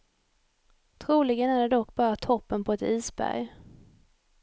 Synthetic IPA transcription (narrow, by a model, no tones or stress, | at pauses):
t̪ʰɾuːlɪɡənæɖɛɖɔkːbɑːɾat̪ʰɔpːənpʰɔɛt̪iːsbæ̰ɾj